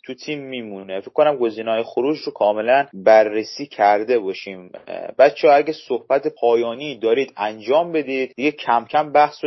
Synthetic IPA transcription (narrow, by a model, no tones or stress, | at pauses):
t̪ʰut̪ʰiːmːiːmunefecʰːkonæmɡo̞ziːnɒːjexoɾuːd͡ʒɾokʰɒːme̞lænbæɾːesiːcʰæɾd̪e̞bɒːʃiːmbæt̪t͡ʃʰeɒæɟæsohb̥æt̪ʰepʰɒːjɒːniːd̪ɒːɾiːd̪ænd͡ʒɒːmbe̞d̪iːd̪̥d̪iɟecʰæmcʰæmbæhso